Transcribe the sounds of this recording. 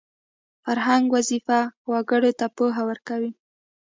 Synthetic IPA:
faɾɦaŋɡwazifawaɡəɽot̪apoɦawəɾkawi

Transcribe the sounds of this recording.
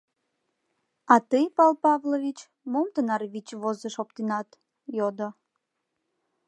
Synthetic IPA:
ɑt̪əjpɑlˠpɑvloβit͡ɕ | momt̪ənɑrβit͡ɕβozəʃop̚t̪inɑt̪ | jod̪o

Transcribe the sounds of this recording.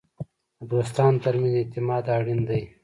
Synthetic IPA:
abɣast̪ɑːnt̪aɾminet̪ɪmɑːd̪ɑːɽind̪aj

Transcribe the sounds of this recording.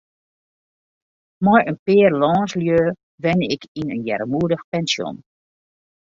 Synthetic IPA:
mɔjənpɪːərlɔːnsljøː | ʋɛnɪkʰinənjɛ̰rmuədəxpɛnsjɔ̰n

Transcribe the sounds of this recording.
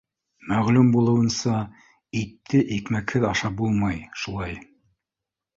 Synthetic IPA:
mæʁlumbulˠɤ̆wɤ̆nsɑ | it̪ʰːɘʔikmækhɘðɑʃɑp̚bulˠmɑjʃulˠɑj

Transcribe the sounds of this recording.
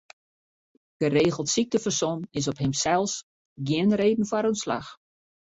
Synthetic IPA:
ɡ̥əreːɣəlˠtsik̚təfərsonɪs̬ɔpɦɪmsɛlˠs | ɡjɪənreːdn̩faɾønsla̰x

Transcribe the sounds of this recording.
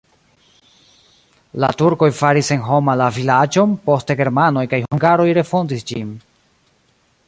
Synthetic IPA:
la̰tuɾko̞jfaɾise̞nɦo̞malavilad͡ʒo̞npo̞ste̞ɡe̞ɾmano̞jkajhuuŋɡaɾo̞jɾe̞fo̞ndisd͡ʒin

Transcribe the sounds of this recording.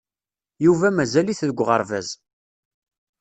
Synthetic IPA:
juvæmæzæliθðəɡʷʁə̰ɾˤvæ̰z

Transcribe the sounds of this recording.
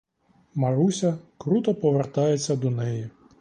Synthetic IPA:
mɐɾusʲɐkɾut̪ɔpɔʋert̪ɑjet͡sʲːɐd̪ɔnɛji

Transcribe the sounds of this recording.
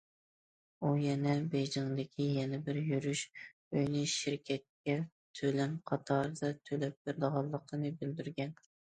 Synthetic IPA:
ujɛnɛbed͡ʒɪŋd̪ɪkʲʰijɛnɛbɪɾjyɾyʃ | øjnɪʃɪɾkʲʰɛt̪̚kʲɛ | t̪ʰølɛnqʰɑt̪ʰɑɾɨd̪ɑt̪ʰølɛp̚beɾɪd̪əʁɑlˠːəqʰənɨbɪld̪yɾɡʲɛn

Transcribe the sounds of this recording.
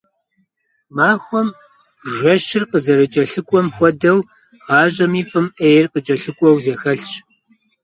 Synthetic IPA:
maːxʷɔm | ʒʷɔʃɪrqəzɐɾɨt͡ʃʼɐɬɨkʷʼɔmxʷɔdɐw | ʁɑːʑɐmiːfʼɨmʔejrqət͡ʃʼɐɬɨkʷʼɔwzeːxɐɬt͡ʃ

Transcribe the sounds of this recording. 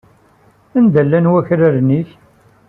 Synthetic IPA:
ænd̪əlːænwæçɾaɾniç

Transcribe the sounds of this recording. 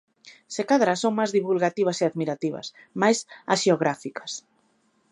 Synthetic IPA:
sekaðɾasoŋmazðiβulɣat̪iβ̞aseaðmiɾat̪iβɐ̰s | majsasʃeoɣ̞ɾafikɐ̥s

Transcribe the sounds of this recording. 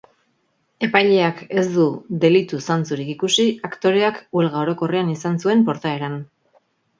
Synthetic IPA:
e̞pajʎe̞ake̞zd̪ud̪e̞lit̪usant͡suɾikikusiakt̪o̞ɾe̞akue̞lɣao̞ɾo̞ko̞rianisansue̞mpo̞ɾt̪ae̞ɾan

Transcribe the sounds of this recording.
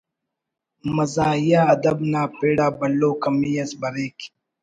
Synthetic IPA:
mɐzaːjjaɐd̪ɐbnaːpeːɽaːbɐloːkɐmijɐsbɐɾeːk

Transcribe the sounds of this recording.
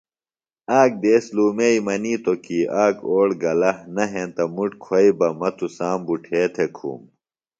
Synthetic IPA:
aːk̚d̪eːsluːmeimɐniːt̪okiːʔaːkoːɽɡɐlɐhnɐɦẽːnt̪ɐmuʈkʰwɐibɐmɐt̪ʰusaːmbuʈʰeːt̪ʰekʰṵːm

